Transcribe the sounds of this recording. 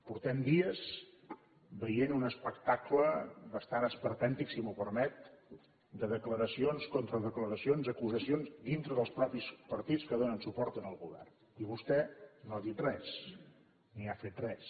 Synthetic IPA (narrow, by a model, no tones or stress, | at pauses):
puɾt̪ɛmd̪iəs | bəjenunəspəkt̪akləbəst̪anəspəɾt̪ɛnt̪iksimupəɾmɛt̪̚ | d̪əðəkləɾəsionskont̪ɾəðəkləɾəsionzəkuzəsionzd̪int̪ɾəðəlˠspɾɔpispəɾt̪it͡skəðonənsupɔɾt̪ənəlˠɣuβɛ̰rn | iβust̪ɛnoaðit̪rɛs | niafet̪rɛs